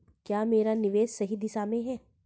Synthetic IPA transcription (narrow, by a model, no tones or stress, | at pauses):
kjaːmeːɾanɪʋeːʃːɐɦid̪ɪsamẽɦɛː